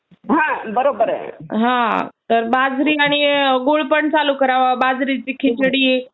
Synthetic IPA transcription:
ɦãbəɾobəɾɦãt̪əɾbad͡zɾiaɽ̃iɡoɭpəɳt͡salukəɾaʋabad͡zɾit͡ɕiːkʰit͡ɕɽiː

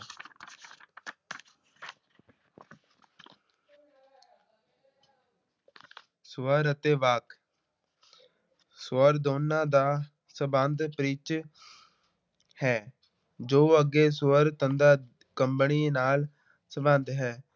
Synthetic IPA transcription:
sʊəɾət̪eːʋaːk | sʊəɾd̪oːnãːd̪aː | səbənd̪pɾiːt͡ʃ | hɛː | d͡ʒoːəɡeːsʊəɾt̪ənd̪aː | kəmbəniːnaːl | səbənd̪ɦɛː

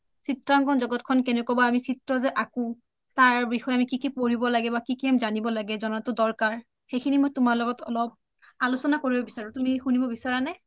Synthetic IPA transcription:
sitɹaŋɡɔnzɔɡɔtkʰɔnkɛnɛkɔbaamisitɹɔzɛʔaku | taɹbixɔjamikikipoɹibɔlaɡɛbakikiɛmzanibɔlaɡɛzɔnatʊdɔɹkaɹ | xekʰinimojtʊmaɹlɔɡɔtʰɔ̰lɔb̚ | alusɔnakoɹibɔbisaɹʊtumixunibɔbisaɹanɛ

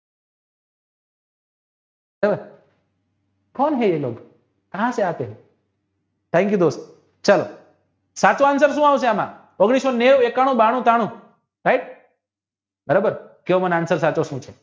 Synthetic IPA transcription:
ɾebəɾ | kɔnɦejelo̰ːɡ | kəɦãseat̪eɦẽ | t̪ʰɛ̃ŋkjud̪ost | t͡ɕalo̰ | sat͡soansəɾsũawseamã̰ | pəɡɽ̃isoneʋekaɽ̃ũbaɽ̃ũt̪aɽ̃ũ | ɾaiʈ̚ | bəɾobəɾkeomənansəɾsat͡sosũːt͡ʃʰe

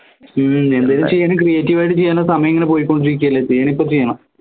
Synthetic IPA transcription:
e̞nd̪aːlumt͡ɕejːɐɳɐmkrijeːtːiʋaːjʈ̬ːɨt͡ɕejːɐnːɐsɐmɐjɐeŋːɐnepo̞ːjikːo̞ɳɖiɾik̬ʲːuɐːlːɐt͡ɕejːaɳ̃ipːoːt͡ɕejːɐɳɐm

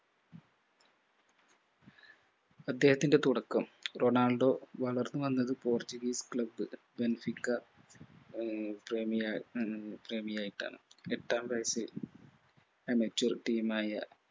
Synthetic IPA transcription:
ɐd̪ːe̞ːhɐt̪ːinde̞t̪uɽɐkːɐmro̞naːɭɖo̞ːʋɐɭɐrnːɨʋɐnːɐðɨpoːrt͡ɕːuɡiːskɭɐbːɨ | benɐfikːɐ | premij | preːmijaːjiʈːa̰ːɳɨeʈːaːmbɐjɐsil | emɐt͡ɕːurʈiːmaːjɐ̰

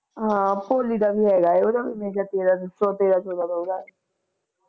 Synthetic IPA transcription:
ɦãpoːlid̪abʱiɦɛːɡaɛoːd̪abimẽːʃat̪eːɾasɔːt̪eːɾat͡ʃɔːd̪ad̪aod̪a

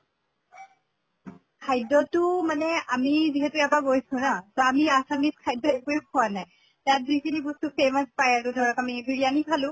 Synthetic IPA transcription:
kʰajdɔtʊmanɛamiziɦɛtuɛpaɡojsʊnasɔamiasaniskʰajdɔɛkuɛkʰuwanaj | tat̚zikʰinibustupemaspajaɹtudʱɔɹɔkamibʱiɹijanipʰalʊ̃

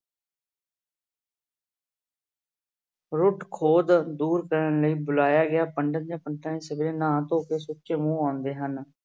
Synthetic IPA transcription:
ɾʊʈkʰoːd̪d̪uːɾkəɾənləiːbʊlaːjaːɡɪjaːpəɳɖənd͡ʒãːpəɳʈaːẽːsəbɾeːnãːt̪õːkeːsʊːtːt͡ʃeːmũːãːnd̪eːɦən

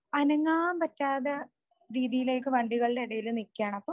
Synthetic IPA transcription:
ɐnɐŋːaːmpɐtːaːðɐ | ɾiːðijile̞ːkːɨʋɐɳɖiɣɐɭiɖe̞iɽɐjilɨnikʲːaːɳɐpːoː

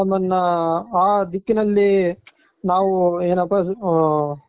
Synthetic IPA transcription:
ɐmɐnːɐaːd̪ikːinɐlːi | naːʋueːnɐpːɐ

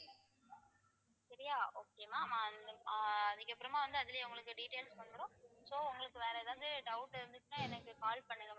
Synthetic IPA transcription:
sɐɾɪjaːoːkeːmaːmaːnɐðɪkːɐpːɯɾɐmaːʋɐnd̪ɯɐðɪlɪjɐʊŋɡɐɭɯkːɯɖiːʈeːlspɐɳːɯɾõːsoːʊŋɡɐɭɯkːɯʋeːɾɐðɐnd̪ɯɖɐʊʈːɪɾɯnd̪ɯkːnãːɛnɐkːɯkaːlpɐɳːɯŋɡɐ

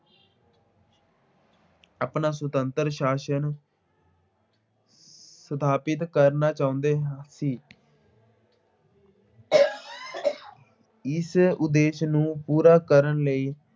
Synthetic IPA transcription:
aːpnaːs̬ət̪ənt̪əɾʃaːʃən | sət̪ʰaːpɪt̪kəɾnaːt͡ʃaːʊ̃nd̪eːɦãsiː | ɪsʊd̪eːʃnũːpuːɾaːkəɾənləiː

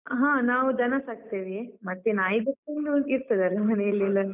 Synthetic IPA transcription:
ɦãːnaːʋud͡ʒɐnɐsaːɡ̚t̪eʋimɐt̪ːenaːjd̪ɐkːond̪uond̪iɾt̪ɐd̪aːɾemɐnejɐlːilːɐn

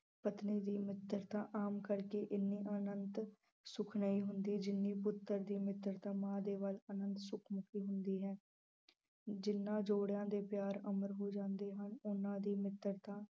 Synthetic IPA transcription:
pət̪niːd̪iːmɪt̪ːəɾt̪ãːʔaːmkəɾkeːʔɪnːiːʔənənt̪ | sʊkʰnəiːɦʊnd̪iːd͡ʒɪnːiːpʊt̪ːəɾd̪iːmɪt̪ːəɾt̪ãːmãːd̪eːʋələnənt̪sʊkʰmʊkʰiːɦʊnd̪iːɦɛː | d͡ʒɪnːãːd͡ʒoːɽjãːd̪eːpjaːɾəməɾɦoːd͡ʒãːnd̪eːɦənʊnãːd̪iːmɪt̪ːəɾt̪ãː

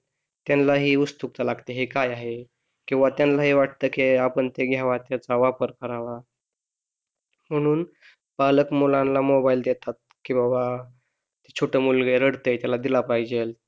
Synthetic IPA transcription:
t̪janlaɦiːust̪uk̚t̪alaɡt̪eɦekajaɦe | kĩw̃ʋat̪janlaɦiʋaʈ̚t̪əːkiapəɳt̪eɡʱjaʋat̪jat͡saʋapəɾkəɾaʋa | m̤əɽ̃uːn | b̥aləkmolãnlamobaild̪et̪at̪̚kĩʋaba | t̪et͡ɕʰoʈəmulɡeɾəɽt̪əjt̪jalad̪ilapaid͡ʑel

